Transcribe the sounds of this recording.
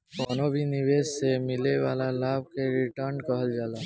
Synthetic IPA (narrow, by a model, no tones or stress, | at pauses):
koːnobʱinibed͡ʒsemileʋaːlalaːb̚ʱkeɾiʈəɾnkəɦəld͡ʒaːla